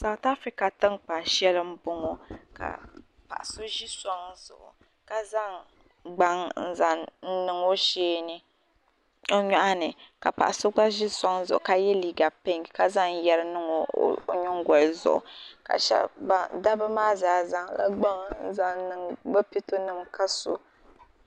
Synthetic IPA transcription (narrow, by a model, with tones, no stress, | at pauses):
sa˨wta˦fɾi˨ka˨tɨ˦ŋk͡pa˨ʃɛ˦lɨ˦m̩˦bʊ˦ŋɔ˨ka̰˨ | pa̰˨ʔa˨so˦ʒi˦sɔ˦ŋzʊ̰˨ʔʊ̰˨ | ka˨za˦ŋ | ɡ͡ba˦ŋn̩˦za˨n̩˦nɨ˨ŋo˦ʃeː˦nɨ˦ | o˦ɲɔ˦ʔa˦nɨ˨ka˨pa̰˨ʔa˨so˦ɡ͡ba˦ʒi˦sɔ˦ŋzʊ˨ʔʊ̰˨ka˦jɛ˦liː˨ɡa˨pe˦ŋ˨ka˦za˦ŋjɛ˦ɾɨ˦nɨ˦ŋo̰˨˦ɲɔ˦ŋ˦ɡɔ˨lzʊ̰˨ʔʊ̰˨ka̰˨ʃɛ̰˦lba˦da˦bɨ˦maː˦zaː˨za˦ŋla̰˦ɡ͡ba˦ŋn̩˦za˦nɨ˨ŋɡ͡ba˦pi˦to˦nɨ˦mka˦so̰˨